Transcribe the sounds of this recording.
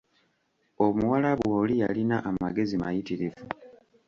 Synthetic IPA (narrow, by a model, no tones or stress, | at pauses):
omuwalaβwoːlija̰linaʔːmaɡe̞zima̰jitiɾivu